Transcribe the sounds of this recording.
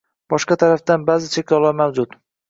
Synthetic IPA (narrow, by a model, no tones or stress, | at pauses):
b̥ɒʃqɑt̪ʰaɾafd̪anbazɪt͡ʃʰekʲlɒlˠaɾmawd͡ʒʊt̪